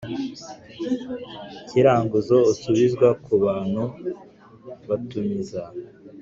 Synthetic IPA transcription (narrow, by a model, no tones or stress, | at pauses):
cʰiɾaːŋɡuzousuβizɡwakʰuβaːn̥hu | βatumiza